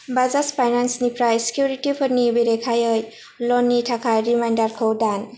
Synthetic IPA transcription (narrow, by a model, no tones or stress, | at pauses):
bazaspʰajnansnipɾajse̥kjuɾitipʰɔɾnibeɾekʰajəj | lɔnːitʰakʰajɾimajndaɾkʰəwdan